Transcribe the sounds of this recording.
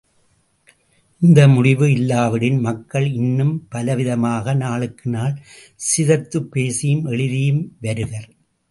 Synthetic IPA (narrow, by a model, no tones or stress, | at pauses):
ɪnd̪ɐmʊɽɪʋɯɪlːaːʋɐɽɪnmɐkːɐɭɪnːɯmpɐlɐʋɪðɐmaːɣɐnaːɭɯkːɯnaːl | sɪðɐt̪ːɯpːeːsɪjɯmɛɭɪðɪjɯmʋɐɾɯɣɐɾ